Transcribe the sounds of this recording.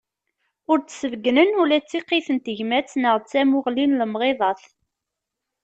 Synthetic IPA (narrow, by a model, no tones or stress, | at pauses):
ʊɾt͡sːsəvɡnənulæt͡sːiqːiθənt̪əʝmæt͡sːnəʁt͡sːæmʊʁlinləmʁeðˤɑθ